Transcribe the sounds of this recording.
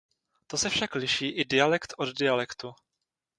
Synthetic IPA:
t̪osɛfʃaklɪʃiːʔɪdɪalɛkt̪ʔoddɪalɛkt̪u

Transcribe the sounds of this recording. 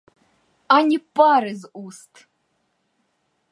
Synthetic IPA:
anʲipʼaɾɨzʔust̪ʰ

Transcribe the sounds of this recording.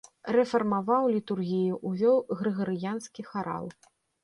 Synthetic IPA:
rɛfɐrmavawlʲit̪urɣʲijuʔuvʲɔwɣɾɨɣɐɾɨjanskʲixaɾa̰lˠ

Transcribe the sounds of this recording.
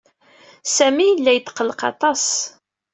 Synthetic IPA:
sæmijəlːæjət̪ːqːələqɑ̰t̪ˤɑs

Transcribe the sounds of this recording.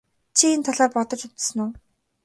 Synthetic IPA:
t͡ɕʰient̪ʰaɮaːrpɔt̪ɞ̆t͡ɕut̪sə̆nʊː

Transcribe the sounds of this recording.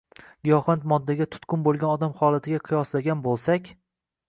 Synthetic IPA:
ɡijɒχant̪mɒd̪ːaɡʲat̪ʰʊ̥t̪kʰʊnbolˠɡʲanɒd̪amχɒlˠat̪ʰɪɡʲaqʰɨjɒslaɡʲanbolˠsakʲ

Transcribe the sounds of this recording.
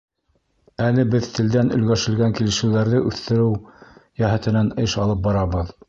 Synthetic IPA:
ælɘbɘðt̪ʰɘ̆ld̪ænɵ̆lɡæʃɘ̆lɡæŋkilɘ̆ʃɘ̆wðæɾðɘʔʉθt̪ɘ̆ɾɘwjæɦæt̪ɘ̆nænɤʃɑlˠɤp̚bɑɾɑβɤð

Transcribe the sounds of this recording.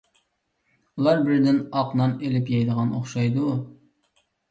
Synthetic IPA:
ulˠɑɾbɪɾd̪ɪnɑqnɑnelɪpjɛjd̪əʁɑnoχʃɑjd̪u

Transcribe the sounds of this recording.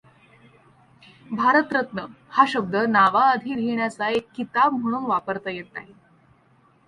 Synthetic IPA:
bʱaɾət̪ɾət̪nə | haɕəb̚d̪ʱənaʋaəd̪ʱiɾʱiɳjat͡saekːit̪ab̚m̤əɽ̃uːnʋapəɾt̪ajet̪a̰ɦe

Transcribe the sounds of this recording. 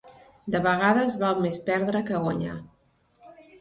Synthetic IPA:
d̪əβəɣ̞aðəzβalmespɛɾðɾəkəɣwaɲa̰

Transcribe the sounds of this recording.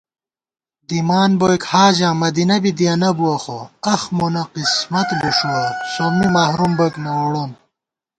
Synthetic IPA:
d̪imaːnbojkhaːʑãːmɐd̪inɐbid̪iɐnɐbuɐxoɐxmonɐqismɐt̪buʂuɐsomːimaːhɾumboknɐwoɽon

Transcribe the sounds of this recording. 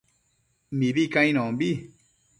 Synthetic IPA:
mĩbikãj̃nɔ̃mbi

